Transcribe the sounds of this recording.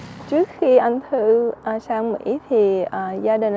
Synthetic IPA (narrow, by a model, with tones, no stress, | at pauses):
t͡ɕɨ˦˥ək̚xi˧ʔa˧jŋ̟t̪ʰɨ˧ʔa˨˩saː˧ŋmḭ˧˥t̪ʰi˨˩ʔaː˨˩zaː˧ɗï˨˩ŋ̟